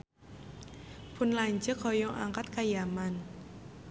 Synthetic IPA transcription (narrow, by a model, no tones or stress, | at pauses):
pʊnlaɲd͡ʒəkhɔjɔʔa̰ŋkat̪̚kajaman